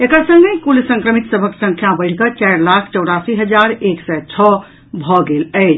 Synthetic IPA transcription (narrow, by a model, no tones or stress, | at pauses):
ekəsə̃ŋɡekulsə̃ŋkɾəmit̪səbʱəksə̃ŋkʰjabəɪɽ̤kət͡ʃajɾlakʰt͡ʃɔʊɽasiɦəd͡ʒaɾeksɛt͡ʃʰɔ | bʱɔɡeləɪt͡ʃʰ